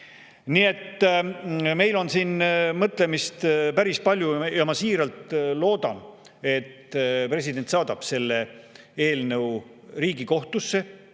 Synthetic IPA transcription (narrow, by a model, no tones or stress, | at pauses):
niːe̞t̪ː | me̞jlo̞nsiːnmɤt̪ˑle̞mist̪pæɾispɑlʲjujɑmɑsiːɾɑlt̪lo̞ːd̪̥ɑ̰n | e̞t̪ːpre̞s̬ʲid̪̥e̞nt̪sɑːd̪̥ɑb̥se̞lːe̞ | e̞ːlnəw | riːɡiko̞ht̪usːe̞